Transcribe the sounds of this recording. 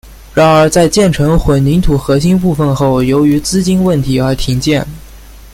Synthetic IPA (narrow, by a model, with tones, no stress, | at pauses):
ɻa˧˥nə˞˧˥t͡sa˥˧ɪt͡ɕjɛ˥˩nʈ͡ʂʰɤ˧˥ŋxwə˨˩nni˧˥ŋt̪ʰu˨˩xɤ˧˥ɕi˥np̬u˥˧fə˥˧nxo˥˩ʊjo˧˥ʊy˧˥t͡sɹ̩˥t͡ɕi˥nwə˥˩nt̪ʰi˧˥ə˞˧˥t̪ʰi˧˥ŋt͡ɕjɛ˥˩n